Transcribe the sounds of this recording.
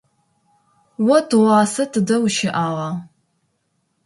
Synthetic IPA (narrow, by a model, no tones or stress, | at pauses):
wɔtʰɨʁʷɑːsɐtʰɨdɐwʃɪʔaːʁɑː